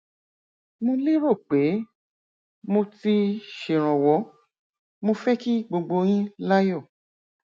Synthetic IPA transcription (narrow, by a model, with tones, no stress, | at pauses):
mõ˧li˦ɾo˦˨k͡pe˨˦ | mo˧ti˧ʃe˨ɾ̃ɔ̃˨wɔ˨˦ | mo˧fɛ˦ki˦ɡ͡bo˧ɡ͡bo˧j̃ĩ˦la˦jɔ˦˨